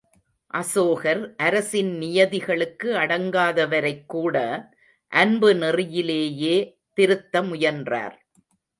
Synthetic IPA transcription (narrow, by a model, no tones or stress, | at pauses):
ʔɐsoːɣɐɾʔɐɾɐsɪnnɪjɐðɪɣɐɭɯkːɯɐɽɐŋɡaːðɐʋɐɾɐɪkːuːɽɐ | ʔɐnbɯnɪrɪjɪleːjeː | t̪ɪɾɯt̪ːɐmʊjɐndra̰ːɾ